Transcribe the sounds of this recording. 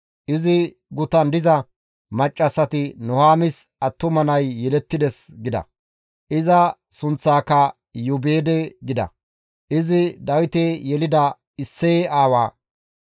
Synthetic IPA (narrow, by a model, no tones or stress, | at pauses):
ʔɪzɪ | ɡʊt̪ɐnd̪ɪzɐ | mɐt͡ʃʼːɐsːɐt̪ɪnʊhaːmɪsɐt̪ːʊmɐnɐjːɛlɛt̪ːɪd̪ɛsɡɪd̪ɐ̰ | ʔɪzɐsʊnt͡sːaːkːɐ | jʊbeːd̪ɛɡɪd̪ɐ̰ | ʔɪzɪd̪ɐwɪt̪ejɛlɪd̪ɐ | ɪsːeaːwa̰ː